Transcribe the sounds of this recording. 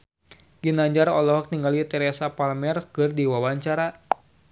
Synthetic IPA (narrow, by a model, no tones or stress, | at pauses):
ɡinaɲd͡ʒaɾɔlɔɦɔk̚niŋɡalit̪ɛɾɛsapalmɛrkɨrdiwawaɲt͡ʃaɾa